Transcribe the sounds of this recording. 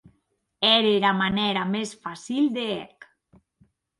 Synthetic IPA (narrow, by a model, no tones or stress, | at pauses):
ɛɾeɾamanɛɾamesfasild̪eɛk